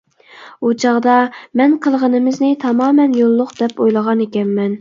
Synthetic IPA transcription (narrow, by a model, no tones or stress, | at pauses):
ut͡ʃʰɑʁd̪ɑmɛnqʰəlˠʁənɪmɪznɪt̪ʰɑmɑːmɛnjolˠːʊqd̪̥ɛpojlˠəʁɑnekʲɛnmɛn